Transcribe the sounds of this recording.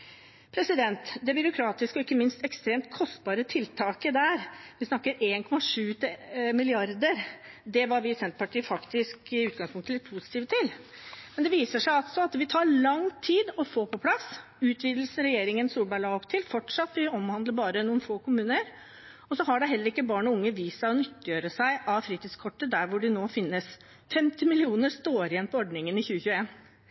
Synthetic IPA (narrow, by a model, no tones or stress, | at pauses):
pʰɾɛsɪd̪ɛnt̪d̪ɛbʏɾʊkʰɾɑːt̪ɪskəɔɪkːəmɪnst̪ɛkst̪ɾeːmt̪̚kʰɔst̪̚bɑːɾət̪ʰɪlt̪ʰɑːkəd̪æɾʋɪsnɑkːəɾeːnkʰɔmɑʂʉːt̪mɪlɪɑɾd̪əɾ | d̪ɛʋɑɾʋɪsɛnt̪pʰɑʈʰiːəfɑkt̪ɪskɪʉːt̪̚ɡɑŋspʰʊŋkt̪ʰlɪt̪pʰusɪt̪iːʋət̪ʰɪl | mɛnd̪ɛʋiːsəʂæɪɑlt̪sɔɑt̪ʋɪt̪ʰɑːɭɑŋt̪ʰiːd̪ɔfoːpɔpʰlɑs | ʉːt̪ʰʋiːd̪l̩sn̩ɾɛjeːɾɪŋənsuːlbɑlɑːɡɔpt̪ʰɪlfɔʈʂɑt̪ːʋɪɔmhɑnd̪ləɾbɑːɾənuːnfoːkʊmʉːnəɾ | ɔsɔɦɑɖɛɦɛlːəɾɪkːəbɑːɳɔʊŋːəʋiːsɔnʏt̪ːəjøːɾəsæɪʔɑʋfɾiːt̪ɪskʰɔʈːəd̪æɾʋʊɖɪnoːfɪnːəs | fɛmt̪ɪmɪlɪuːnəɾst̪oːɾjɛnpʰɔɔɖɳɪŋənɪçʉːəçʉːəeːn